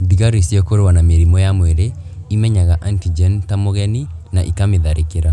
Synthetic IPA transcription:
diɣaɾisjɔkoɾewanameɾimɔjamwɛɾe | imɛɲaɣaʔantid͡ʒɛntamoɣɛninaʔikameðaɾekeɾa

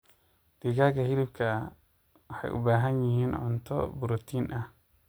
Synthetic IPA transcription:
d̪̥ɪɣaːɡɐhɪɾɪb̚kʰɐ | wɑħɑ̰jʔʊ̰baːɦɐnjɪɦiːnʕʊ̰nt̪ʰɔ̰bʊɾɔt̪ʰiːnʔɐh

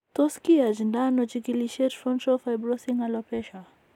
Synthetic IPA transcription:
tɔskiad͡ʒindanɔt͡ʃikiliʃɛtfɔntɾɔfajbɾɔsiŋalɔpɛʃa

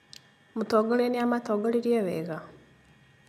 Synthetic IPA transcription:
mut̪oɡoleniamat̪oɡoliɾjeβḛɣa

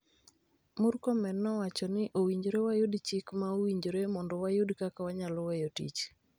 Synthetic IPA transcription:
mʊɾkɔmɛnːɔwat͡ʃɔnɪʔowiɲd͡ʒɾewajodt͡ʃikmaowiɲd͡ʒɾemɔndɔwajʊdkakawaɲalɔwɛjotḭt͡ʃ

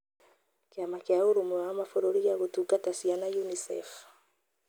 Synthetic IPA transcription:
keamakjaoɾumwamafoɾoɾiɣaɣotukatasianajunisɛ̰f

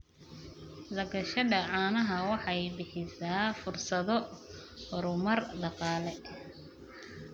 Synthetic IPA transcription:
dɐɡɐʃɐdɐʕɑːnɐɦɐwɑħɑjbɪħɪsaːfʊrsɐðɔ | ɾʊmɐrd̪ɑqɑːlɛ

